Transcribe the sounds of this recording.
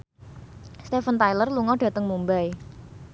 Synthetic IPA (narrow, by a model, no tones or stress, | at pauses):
st̪efənt̪ajlərluŋɔɖ̥ä̤t̪əŋmumbaj